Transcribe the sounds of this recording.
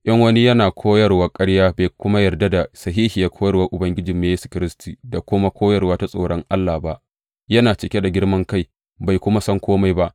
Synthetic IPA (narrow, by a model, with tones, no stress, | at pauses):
ʔɐ˦ŋwɐ˦ni˦jɐ˦naː˨kʷʰoː˦jɐ˨rwaː˦kʼɐ˦ɽjaː˦beː˨kʷʊ˦ma˦jɐ˨rda˦da˨sɐ˨ɦiː˦hi˨ja˦kʷʰoː˦jɐ˨wa˦ʔʊ˨bɐ˦ŋɡʲɪ˦d͡ʒɪ˨mːe˨je˦su̥˨kʲɪ˨˦ɾɪ˦stʰiː˨da˨kʷʊ˦ma˦kʷʰoː˦jɐ˨rwaː˦ta˦sʼo̰ː˨ɽɔ˦ŋʔa˦lːaː˨ba˦ʔ | jɐ˦naː˨t͡ʃɪ˨kʲe˦da˨ɡʲɪ˦ɽmɐ˦ŋka˦j | ba˨jkʷʊ˦ma˦sɐ˦ŋkʷoː˦ma˨jba˦ʔ